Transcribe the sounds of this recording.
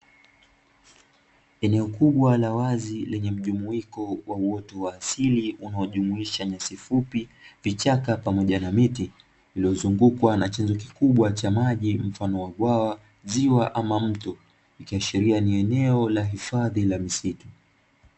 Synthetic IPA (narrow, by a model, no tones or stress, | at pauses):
ɛnɛɔkuɓwalawazilɛɲɛm̩ʄumuikɔwauwɔtɔwaːsiliunaɔʄumuiʃaɲasifupivit͡ʃakapamɔʄanamiti | iliɔzuŋɡukwanat͡ʃɛnzɔkikuɓwat͡ʃamaʄim̩fanɔwaɡwawa | ziwaʔamam̩tɔ | ikiaʃiɾianiɛnɛɔlaɦifaðilamisitu